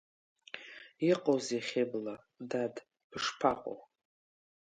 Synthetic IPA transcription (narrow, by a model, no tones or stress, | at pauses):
iqʼoziχʲebla | dad | b̥ʂpʰaqʷʼo̰w